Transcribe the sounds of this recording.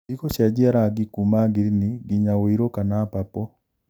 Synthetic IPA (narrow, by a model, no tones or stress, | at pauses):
ikoɕjad͡ʒiaɾaɡikumaɡiɾiniɡiɲawoiɾokanapapɔ